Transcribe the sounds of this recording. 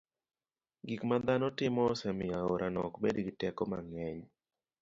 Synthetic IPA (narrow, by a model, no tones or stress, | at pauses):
ɡikmad̪anɔtɪmɔsɛmɪjaoɾʔanɔkbedɡitɛkɔmaŋɛɲ